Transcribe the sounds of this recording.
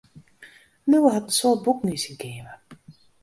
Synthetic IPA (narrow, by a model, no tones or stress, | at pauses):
nuwəɦɑtənsʊrt̚buknysinkeːmə